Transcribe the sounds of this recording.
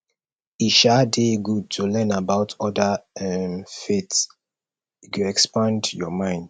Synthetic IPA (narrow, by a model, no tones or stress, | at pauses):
iʃadeɡud̚tʰulɛ̃nabaʊtʰɔdəɛmfets | kjuɛkspãndjɔmãɪ̃nd̥